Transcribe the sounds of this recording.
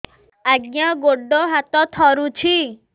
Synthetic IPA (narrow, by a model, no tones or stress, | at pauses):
aɡjãɡoɖɔɦat̪ɔt̪ʰɔɾũt͡ʃʰi